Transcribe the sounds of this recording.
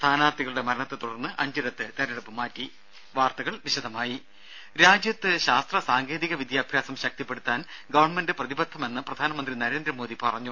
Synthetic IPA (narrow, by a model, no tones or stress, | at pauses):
st̪ʰaːnaːt̪ːiɣɐɭuɽe̞mɐɾɐɳɐt̪ːɨt̪uɽɐrnːɨʔɐɲd͡ʑɐɾɐt̪ːɨt̪eɾeɽupːɨmːaːtːi | ʋaːrt̪ɐɣɐɭʋiɕɐd̪ʱɐmaːji | ɾaːd͡ʑjɐt̪ːɨɕaːst̪rɐsaːŋɡe̞ːðiɣɐʋid̪jaːbʱjaːsɐmɕɐk̚t̪ipːe̞ɽut̪ːaːnɡɐʋɐrɳme̞ndɨprɐðibɐt̪ʰːɐme̞nːɨprɐd̪ʱaːnɐmɐnd̪rinɐɾe̞ːnd̪rɐmo̞ːd̪ipɐrɐɲːu